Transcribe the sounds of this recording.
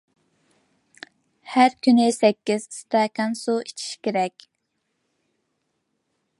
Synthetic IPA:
hæɾkʲynɪsɛkʲːiz̥st̪ɑkɑnsuit͡ʃʰi̥ʃkʲeɾɛkʲ

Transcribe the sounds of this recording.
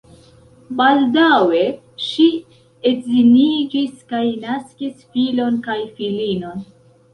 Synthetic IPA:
baldawe̞ | ʃi | ezinid͡ʒiskajnaskisfilo̞nkajfilino̞n

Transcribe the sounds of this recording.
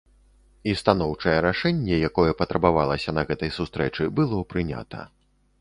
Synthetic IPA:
ist̪anɔwt͡ʂɐjɛɾaʂɛnʲːɛjakɔjɛpɐt̪ɾʔɐbavalˠɐsʲɐnɐɣɛt̪ɐjsust̪ɾɛt͡ʂɨbɨlˠɔpɾɨnʲa̰t̪ɐ̰

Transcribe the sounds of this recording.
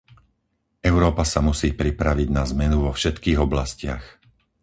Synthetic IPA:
ʔɛʊɾɔːpasamusiːpɾipɾaʋiɟnazmɛnuʋɔfʃɛt̪kiːɣɔblascɪax

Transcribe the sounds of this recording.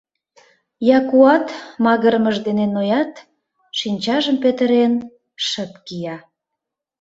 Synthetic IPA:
jɑkuɑt̪mɑɣəɾməʒd̪enenojɑt̪ | ʃinʲt͡ɕɑʒəmpøt̪əɾen | ʃət̪kijɑ

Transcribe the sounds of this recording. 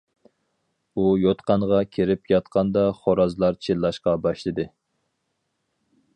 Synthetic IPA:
ujot̪qɑŋʁɑkʲʰiɾɪpjɑt̪̚qʰɑnd̪ɑχoɾɑzlˠɑɾt͡ʃʰilːˠɑʃqɑbɑʃlˠɨd̪ɨ

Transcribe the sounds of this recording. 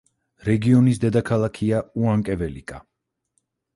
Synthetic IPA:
ɾɛɡiɔnisd̪ɛd̪akʰalˠakʰiauaŋkʼɛvɛlḭkʼa̰

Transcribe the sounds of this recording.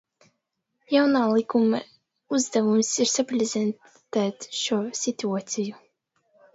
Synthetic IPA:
jawnaːlˠikuma | uzd̪avumsiɾsapɾʲezʲɛn | t̪æːt̪ʃuːsit̪ʲuat̪siju

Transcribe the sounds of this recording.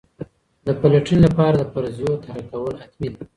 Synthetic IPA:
d̪əpalaʈinlapɑɾad̪əpaɾzijot̪ahakawəlat̪min

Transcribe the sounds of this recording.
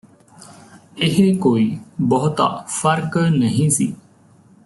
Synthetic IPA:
ɪɦkoːiːbɔːʊt̪a̰fʰəɾknəɦĩːsḭː

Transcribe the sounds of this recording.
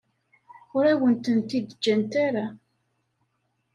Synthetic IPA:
ʊɾæwənt̪ənt̪id̪əd͡ʒːænt̪aɾa

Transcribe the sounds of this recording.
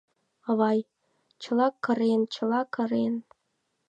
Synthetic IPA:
ɤβɑj | t͡ɕɤ̆lˠɑkːɤ̆ɾent͡ɕɤ̆lɑkɤ̆ɾen

